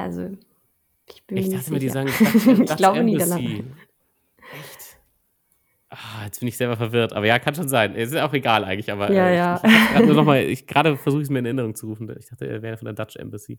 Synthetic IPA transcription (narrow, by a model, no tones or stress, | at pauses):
ʔa̰lzo | ʔɪçb̥ɪɪçdaχtəmːɐdiːzaːɡŋɪɡ̥laʊbəniːdana | ɛçt | ʔajɛt͡sb̥ɪndəɪçz̥ɛlbɐfɛɐvɪɐtʔaːbɐjaːkʰanʃoːnzaɪnʔɛ̰sɪsjaʊχʁeɡaːlʔaɪɡŋ̩tlɪçʔaːbɐjaːjaːḁanuːɐnɔχmaːlɪ̰çɡ̥ʁaːɾəfɛɐzuːxɪsmiːɐɪnɛɐʔɪnəʁ̞ʊŋt͡suʁuːfn̩daɪçd̥aχtə̰vɛːʁəfɔndɛːɐd̥at͡ʃʔɛ̰mbɛsḭː